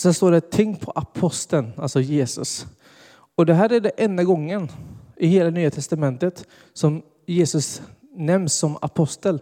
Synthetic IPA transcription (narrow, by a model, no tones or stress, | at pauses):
sɛnst̪oːɖɛt̪ʰɪŋːpʰɔʔapʰɔst̪ənalsɔjeːsɵ̰s | ɔd̪ɛɦæːɾæɖɛʔɛnd̪aɡɔŋːənʔɪheːlanyːat̪ʰɛst̪amɛnt̪ət̪ | sɔm | jeːsɵs | nɛmsːɔma̰pʰɔst̪əl